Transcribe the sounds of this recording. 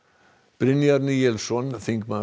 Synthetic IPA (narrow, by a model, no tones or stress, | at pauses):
b̥ɾɪnjaɾnijɛlsɔnθiŋk̚ma